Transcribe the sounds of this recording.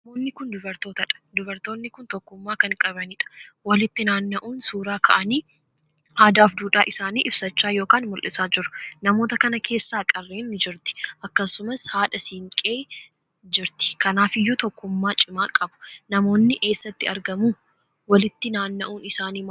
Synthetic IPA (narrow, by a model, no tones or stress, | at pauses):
nɐmoːnːɪkʊnd̪ʊbɐɾt̪o̞ːt̪ɐᶑɐ̥d̪ʊbɐɾt̪o̞ːnːɪkʊnt̪ɔkːʊmːaːkɐnkʼɐbɐniːᶑɐ̥wɐlɪt̪ːɪnaːnːɐʔuːnsuːɾaːkʰɐʔɐniː | haːd̪aːfd̪uːᶑaːʔɪsaːniːʔɪb̥sɐt͡ʃːaːjo̞ːkaːnmʊlʔɪsaːd͡ʒɪɾʊ̥nɐmoːt̪ɐkɐnɐkʰe̞ːsːaːkʼɐrːeːnːɪd͡ʒɪɾt̪ɪ̥ʔɐkːɐsːʊmɐshaːᶑɐsiːŋkʼe̞ː | d͡ʒɪɾt̪ɪ̥kɐnaːfɪjːɔt̪ɔkːʊmːaːt͡ʃʼɪmaːkʼɐbʊ̥nɐmo̞ːnːɪʔe̞ːsːɐt̪ːɪɐɾɡɐmuː | wɐlɪt̪ːɪnaːnːɐʔuːnɪsaːniːm